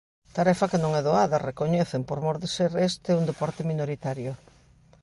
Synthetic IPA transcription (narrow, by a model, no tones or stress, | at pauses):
t̪aɾɛfɐkenõŋɛðoaðɐrekoɲɛθempoɾmoɾðeseɾest̪ɪund̪epɔɾt̪ɪminoɾit̪aɾjʊ